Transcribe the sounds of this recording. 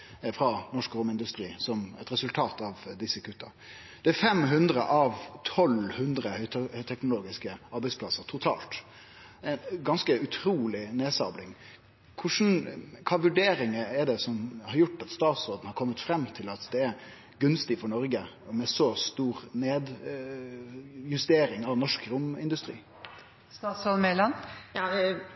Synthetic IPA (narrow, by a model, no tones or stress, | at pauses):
fɾɑnɔʂkɾʊmɪnd̪ʉst̪ɾiːsɔmɛt̪ɾɛsʉlt̪ʰɑːt̪ɑʋd̪ɪsːəkʰʉt̪ːɑ | d̪̥ɛæfɛmɦʉnd̪ɾə̰ʔɑʋt̪ʰɔlhʉnd̪ɾəhœʏhœʏt̪ʰɛknʊloːɡɪskəɑɾbɛɪspʰlɑsːəɾt̪ʰʊt̪ʰɑ̰ːlt̪ | ɛnɡɑnskəʉt̪ʰɾuːlɪneːsɑblɪŋ | kʰʊʂn̩kʰɑːʋʉɖeːɾɪŋəɛɖɛsɔmhɑɾjʊʈːɑt̪st̪ɑːt̪sɔːd̪n̩hɑɾkʰɔmːət̪fɾɛmːt̪ʰɪlɑt̪d̪ɛːɾ | ɡʉnst̪ɪfɔɾɳɔɾɡə | mɛsɔst̪uːɾneːd̪ | jʉst̪eːɾɪŋɑʋnɔʂkɾʊmɪ̰nd̪ʉst̪ɾḭː | st̪ɑːt̪sɔd̪mɛlɑnjɑː